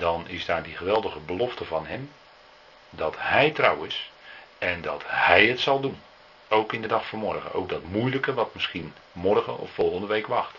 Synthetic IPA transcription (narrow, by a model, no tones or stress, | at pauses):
d̥ɔnɪ̰sdaːrdiχəʋɛlˠdəɣəbəlɔftəvɑnɦɛm | dɔthɛjtrawɪs | ɛndɔthɛjətsɑlˠdun | owkɪndədɑxfoːmɔrɣə̰nʔo̰wk̚dɔtmujləkəʋɑtmɪsχin | mɔrɣə̰ɔ̰fːɔlˠχəndəʋejkʋɑxt